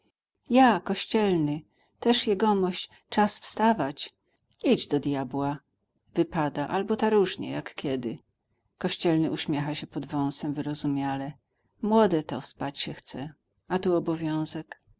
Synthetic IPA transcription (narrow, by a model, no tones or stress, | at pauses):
jakɔɕt͡ɕɛlnɘ | t̪ɛʂjɛɡɔmɔɕt͡ɕ | t͡ʂasfst̪avat͡ɕ | id͡ʑd̪ɔd̪jabwa | vɘpad̪aʔalbɔt̪aɾuʐɲɛ̰jakkʲɛd̪ɘ | kɔɕt͡ɕɛlnɘʔuɕmʲjɛxaɕɛpɔd̪vɔ̃w̃sɛmvɘɾɔzumʲjalɛ | mwɔd̪ɛt̪ɔspat͡ɕɕɛxt̪sɛ | at̪uɔbɔvʲjɔ̃w̃zɛk